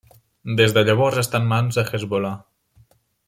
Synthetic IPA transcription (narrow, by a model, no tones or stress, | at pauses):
d̪ezðəʎəβɔzəst̪anmanzəxezβola